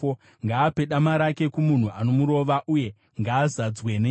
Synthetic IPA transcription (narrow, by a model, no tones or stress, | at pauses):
ŋɡaːpe̞ɗamaɾake̞kumun̤uʔano̞muɾo̞ʋaʔuje̞ | ŋɡaːzad͡zwen